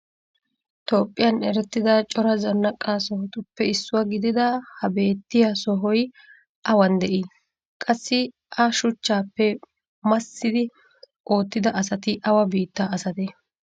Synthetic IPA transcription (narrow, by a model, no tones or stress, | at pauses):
t̪o̞ːpʼːɪjɐnɛɾɛt̪ːɪd̪ɐt͡ʃʼɔɾɐzɐnːɐkʼːaːsɔɦɔt̪ʊpːɛɪsːʊwaɡɪd̪ɪd̪ɐhɐbe̞ːt̪ːɪjasɔɦɔj | ʔɐwɐnd̪ɛʔi | kʼɐsːɪ | ʔɐʃʊt͡ʃːaːpːɛ | mɐsːɪd̪ɪ | ʔo̞ːt̪ːɪd̪ɐʔɐsɐt̪ɪʔɐwɐbiːt̪ːaːsɐt̪ɛ